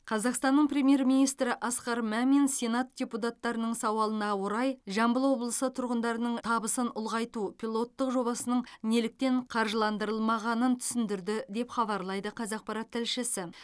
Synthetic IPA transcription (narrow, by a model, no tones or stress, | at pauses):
qʰɑzɑqst̪ɑnːəɴpɾʲe̞mʲje̞ɾmijnijst̪ɾɪʔɑsqɑɾmæmensʲe̞nat̪̚dʲeput̪at̪ːɑɾənəɴsɑwɑlˠənɑwoɾɑjʒɑmbəlˠwo̞blˠəsət̪ʰʊɾʁənd̪ɑɾənəɴt̪ʰɑbəsənʊlˠʁɑjt̪upʰʲilˠo̞t̪ːəqʒo̞bɑsənəɴne̞lɪk̚t̪e̞ɴqʰɑɾʒəlˠɑnd̪əɾəlˠmɑʁɑnənt̪ʰʏ̥sɪnd̪ɪɾd̪ɪd̪e̞pχɑbɑɾlˠɑjd̪əqʰɑzɑq̚pɑɾɑt̪ʰːɪlʃɪsɪ